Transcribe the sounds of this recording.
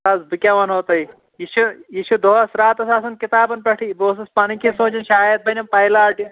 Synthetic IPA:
aːzbɨkʲaʋɐnoːt̪ɐi | iʃujiːʃud̪oɦsɾaːt̪ɐsaːsɐnkit̪aːbɐnpɐʈʰiboːs̬ɐspɐnikʰisõːt͡ʃɐnʃaːjɐt̪̚bɐnʲɐmpɐjlaːʈi

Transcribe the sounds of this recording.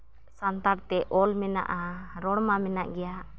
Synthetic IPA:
sant̪aɾt̪ɛʔɔlmɛna̰ʔaɾɔɽmamɛnaʔɡɛja

